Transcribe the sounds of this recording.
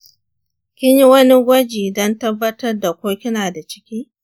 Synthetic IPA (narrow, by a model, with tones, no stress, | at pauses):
kʲɪ˦ɲji˦wɐ˦ni˦ɡʷɐ˦d͡ʒiː˨dɔ˦ntɐ˦bːɐ˦tɐ˦rda˨kʷoː˦kʲɪ˦naː˨da˨t͡ʃɪ̥˦kʲiː˦